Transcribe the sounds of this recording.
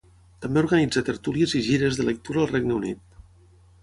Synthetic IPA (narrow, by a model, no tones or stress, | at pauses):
t̪əmbeuɾɣənid͡zət̪əɾt̪uliəziʒiɾəzðələk̚t̪uɾaːlˠrɛɡnəunit̪̚